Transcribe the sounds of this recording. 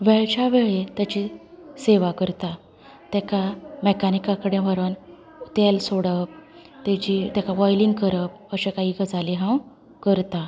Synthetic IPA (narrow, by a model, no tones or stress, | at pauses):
ʋɛɭt͡ɕaʋeɭet̪jat͡ɕiseʋakəɾt̪a | t̪ɛkamɛkanikakəɽẽʋəɾən | t̪ɛlsoɽəp̚t̪et͡ɕit̪jakaʋɔjliŋɡ̚kəɾəp̚ | əɕekaiɡəd͡zʱaliɦãw | kəɾt̪a